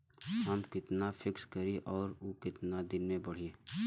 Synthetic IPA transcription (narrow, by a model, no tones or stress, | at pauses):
ɦəmkɪt̪napʰɪkskəɾiʔɔːɾokɪt̪nad̪ɪnmẽbəɽ̤ieː